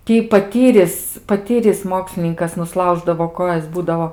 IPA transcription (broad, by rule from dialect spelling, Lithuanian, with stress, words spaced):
ˈtʲiː pɐˈtʲiːrʲɪs pɐˈtʲiːrʲɪs ˈmoːksʲlʲɪnʲɪŋkɐs nʊˈslˠɐʊʒdɐʋoː ˈkoːjɛs ˈbuːdɐoː